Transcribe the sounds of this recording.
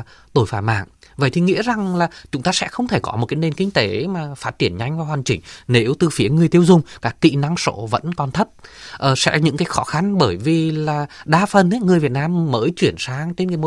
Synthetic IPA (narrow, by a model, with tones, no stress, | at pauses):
t̪o˧˩jfaː˧˩ma̰ː˧˨ŋ | və̰˧˨jt̪ʰi˨˩ŋḭ˧˥za˨˩ŋlaː˨˩t͡ɕʊ˨˦ŋ͡mt̪aː˧sɛ̰˧˥xə˧wŋ͡mt̪ʰe˧˩kɔ̰˨˦mo˨˩t̚kaː˨˦jne˧˩nkï˧ŋ̟t̪e˨˦maː˨˩faː˦˥t̚t͡ɕi˧˩ənɲa˧jŋ̟vaː˨whwaː˨˩nt͡ɕï˧˩ŋ̟ne˨˦wt̪ɨ˨˩fi˨˦əŋɨ˨˩əjt̪i˧əwzʊ˨˧˩ŋ͡mkaː˦˥k̚t̪ḭ˧˨na˧ŋso̰˧˥və̰˧˥nkɔ˨˩nt̪ʰə˦˥t̚ʔəː˨˩sɛ̰˧˥ɲɨ̰˧˥ŋkaː˨˦jxɔ˨˦xa˧nɓəː˧˩jvi˨˩laː˨˩ɗaː˧fə˨˩nʔŋɨ˨˩əjvi˨˩ət̚naː˧mːəː˨˦jt͡ɕwi˧˩ənsaː˨˦ŋt͡ɕe˧nkaː˨˦jm˧˦